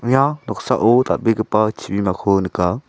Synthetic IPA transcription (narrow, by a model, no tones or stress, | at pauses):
ɲanɔksaʔot̪a̰beɡəpat͡ʃʰibimakʰonɯka